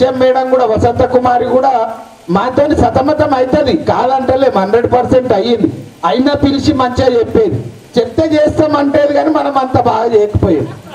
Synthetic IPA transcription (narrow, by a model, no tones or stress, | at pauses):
emːɛːɽɐmkuːɽaːʋɐsɐnt̪ɐkumaːɾiɡuːɽaː | maːt̪oːnisɐt̪ɐmɐt̪ɐmɐjt̪ɐd̪ikaːlɐɳʈɐleːmɦɐnɖɾeɖpɐɾseɳʈɐjːind̪i | ɐjinaːpiɾit͡ʃimɐɲt͡ʃeːd͡ʒepːeːd̪i | t͡ʃet̪ːed͡ʒeːst̪ɐːmɐɳʈeːd̪iɡaːnimɐnɐmɐnt̪ɐbaːɡɐd͡ʒeːɐkɐ̥poːjami